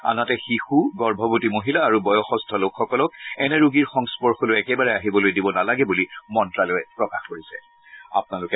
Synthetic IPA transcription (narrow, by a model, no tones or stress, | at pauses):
a̰natɛxixuɡɔɹbʱɔbutimoɦilaːɹubɔjɔxɔstʰɔlokxɔkɔlɔk̚ɛnɛɹuɡiɹxɔŋspɔɹxɔlojɛkɛbaɹɛaɦibɔlojdibɔnalaɡɛbulimɔntɹalojɛpɹɔkaxkoɹisɛ | a̰pʊnalʊkɛ